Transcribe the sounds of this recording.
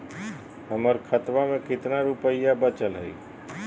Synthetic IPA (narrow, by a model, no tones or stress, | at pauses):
ɦəməɾkʰət̪ʋamẽkɪt̪naɾʊpəɪjabət͡ʃəlɦəḭː